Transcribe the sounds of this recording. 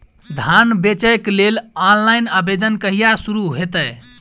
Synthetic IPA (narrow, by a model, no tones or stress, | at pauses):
d̪ʱanbet͡ʃəeklelanlajnabed̪ənkəɦijasuɾuɦet̪əj